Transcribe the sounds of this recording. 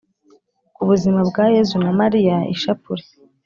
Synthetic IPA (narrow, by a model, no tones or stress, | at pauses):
uβuzimabɡajezunamaɾijaḭʃapuɾi